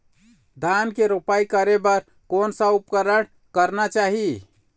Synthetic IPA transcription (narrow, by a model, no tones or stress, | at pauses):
d̪ʱankeɾopaikəɾebəɾ | konsə̃upkəɾəɽ̃ | kəɾnat͡ʃaɦi